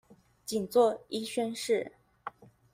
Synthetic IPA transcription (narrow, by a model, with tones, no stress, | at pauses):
t͡ɕi˨˩nt͡swɔ˥˩i˥ɕɥɛ˥nʂɻ̩˥˩